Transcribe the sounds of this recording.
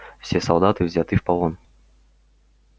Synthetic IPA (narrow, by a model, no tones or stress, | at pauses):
fsʲesɐlˠd̪at̪ɨvzʲat̪ɨfpɐlˠon